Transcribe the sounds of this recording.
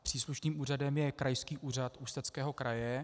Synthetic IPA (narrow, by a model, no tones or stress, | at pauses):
pr̥iːsluʃniːmuːradɛmjɛkɾajskiːʔuːr̝at̪ust̪ɛt͡skɛːɦo̞kɾajɛ